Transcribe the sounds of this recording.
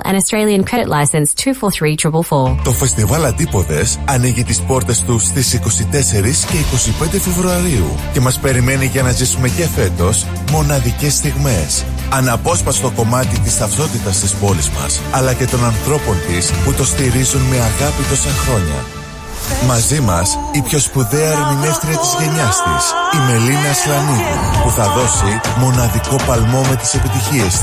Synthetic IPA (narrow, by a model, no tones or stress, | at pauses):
ə̰̃ɾnəstɹ̥eɪlˠiə̃nkʰɹ̥ɛɾɪtˡlʔaɪsə̃nstʰʉːfɔθɹiːtʰɹ̥ɪpəl̩ˠfɔːt̪o̞fe̞st̪ivɐlɐnd̪ipo̞ðe̞sɐniʝit̪ispo̞ɾt̪e̞st̪ust̪isiko̞sit̪e̞se̞ɾisce̞iko̞sipe̞nd̪e̞fe̞vɾuɐɾiṵ | ce̞mɐspe̞ɾime̞niʝɐnɐzisume̞ce̞fe̞t̪o̞s | mo̞nɐðice̞st̪iɣme̞s | ɐnɐpo̞spɐst̪o̞ko̞mɐt̪it̪ist̪ɐft̪o̞t̪it̪ɐst̪ispo̞lizmɐ̰sɐlɐce̞t̪o̞nɐnθɾo̞po̞nt̪isput̪o̞st̪iɾizunme̞ɐɣɐpit̪o̞sɐnxɾo̞ɲɐ̰ | mɐzimɐsipço̞spuðe̞ɐɾinine̞fθɾiɐt̪izʝe̞ɲɐst̪ḭsime̞linɐislɐnitḭpuθɐðo̞simo̞nɐðiko̞pɐlmo̞me̞t̪i̥se̞pit̪içie̞s